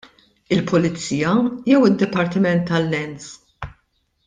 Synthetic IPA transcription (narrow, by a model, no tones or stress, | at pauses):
ɪlpʊlɪt͡sːiːjɐjɛwɪd̪ːɪpɐɾt̪ɪmɛnt̪ːɐlːɛns